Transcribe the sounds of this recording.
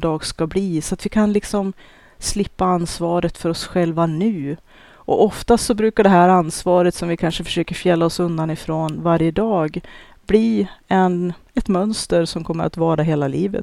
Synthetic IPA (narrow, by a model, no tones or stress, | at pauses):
d̪ɑːɡskabliːsɔat̪vɪkʰanlɪksɔm | slɪpːaanːsvɑːɾət̪fœɾɔsɧɛlvanʉ̟ː | ʔɔ̰ʔɔft̪at̪sɔbɾʉ̟ːkaɖɛɦæːɾansvɑːɾət̪sɔmvɪkʰanʂəfœ̥ʂøːkəɾfjɛlːaɔsɵnd̪anɪfɾoːnvaɾjəd̪ɑːɡ | bliːɛnɛt̪mœnst̪əɾsɔmkʰɔmːə̰ɾa̰t̪vɑːɾaɦeːlaliːvə̰t̪